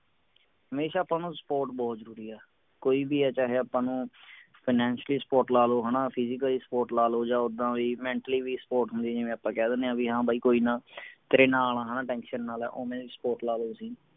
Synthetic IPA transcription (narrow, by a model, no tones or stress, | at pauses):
ɦəmeːʃaːpãːnũːsə̥poːɾʈbɔːt̪zəɾuːɾiːɛː | koːiːbiːɛːt͡ʃaːɦeːapãːnũːpʰɪːnɛ̃ːnʃliːsəpɔːɾʈlaːloːɦənaːpʰɪzɪkəliːsə̥poːɾʈlaːloːd͡ʒãːʊd̪ãːʋiːmɛ̃ːɳʈəliːʋiːspoːʈɦʊnd̪iːd͡ʒeːmɛ̃ːaːpːãːkɛːd̪eːnẽːãːbiːɦãːbʱaːiːkoːiːnãːt̪ɾeːnãːaːl̃ãːɦənãːʈɛ̃ːŋkʃənːaːlɛ̰ːʔoːmɛ̃ːsə̥poːɾʈlaːloːsĩː